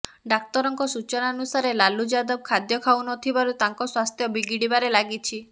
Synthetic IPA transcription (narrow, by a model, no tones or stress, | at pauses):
ɖak̚t̪ɔɾɔŋkɔsut͡ʃɔnanusaɾelalud͡ʒad̪ɔb̚kʰad̪jɔkʰawnɔt̪ʰibaɾut̪aŋkɔswast̪ʰjɔbiɡiɽibaɾelaɡit͡ʃʰi